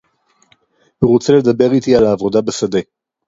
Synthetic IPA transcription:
huʁot͡sele̞d̪abe̞ʁit̪ialaːvo̞d̪abesad̪e̞

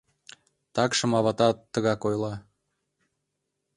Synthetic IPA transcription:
t̪ɑkʃə̆mɑβɑt̪ɑt̪ːəɣɑkojlɑ

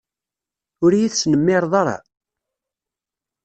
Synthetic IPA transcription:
ʊɾjiθsnəmːɪɾˤðˤɑɾˤɑ̰

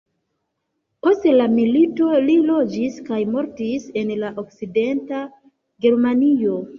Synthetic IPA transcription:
po̞stelamilito̞lilo̞d͡ʒiskajmo̞ɾtise̞nlaʔokside̞nta | ɡe̞ɾmanio̞

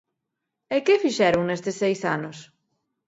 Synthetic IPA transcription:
ekefiʃɛɾuŋnest̪esejsanos

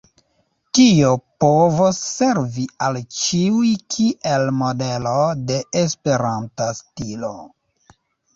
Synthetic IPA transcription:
tiopo̞vosːe̞ɾvialt͡ʃiujkʰiʔelmodelode̞espe̞ɾantastilo̰

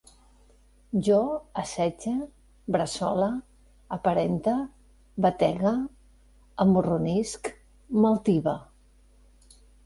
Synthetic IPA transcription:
ʒɔəsɛd͡ʒə | bɾəsɔləː | pəɾɛnt̪ə | bət̪ɛɣəː | murunisk | məlˠt̪iβə

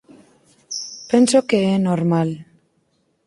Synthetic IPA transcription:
pensokeenoɾmal

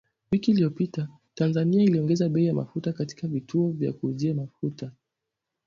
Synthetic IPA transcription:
wikiːliɔpita | tanzaniailiɔŋɡɛzaɓɛijama̰futakati̥kavituɔvja̰kuːziamafuta

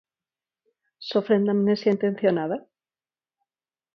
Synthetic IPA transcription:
sofɾend̪amnesjaint̪e̞n̟θjonaða

